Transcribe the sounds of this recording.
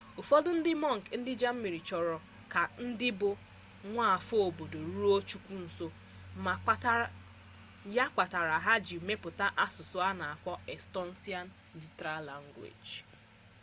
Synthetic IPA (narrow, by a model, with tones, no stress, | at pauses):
ʊ˨fo˦dʊ˦n̩˦dɪ˦mɔ˦˨ŋ̩˨kn̩˦dɪ˦d͡ʒa˦m̩˦mi˨ɾi˨t͡ʃɔ˨ɾɔ˨ | ka˨n̩˦dɪ˦bʊ˨ | ŋʷa˦a˨fo˦o˨bo˨do˨ɾu˦o˦t͡ʃu˦kʷu˦n̩˨so˦ | ma˨˦ | ja˦kʷa˨ta˨ɾa˨ɦa˦d͡ʒi˨me˦pʊ˨ta˦ʔa˦sʊ˨sʊ˦a˦na˨a˨kʷɔ˦ɛ˨stɔ˦n̩˦si˦a˦n | li˨tɾa˦la˦˨ŋ̩˦ɡwḛ˨d͡ʒ